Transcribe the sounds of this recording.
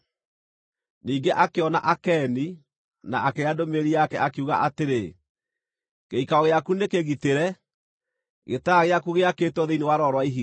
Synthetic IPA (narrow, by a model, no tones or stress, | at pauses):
niːŋɡeʔakeɔna̰ʔakɛni | na̰akeadomeɾiakɛʔakeuɣa̰ʔateɾe | ɣeikaɔɣeakunekeɣiteɾɛ | ɣetaɣeakuɣeaketwɔðeinewaɾɔɾwaiɦi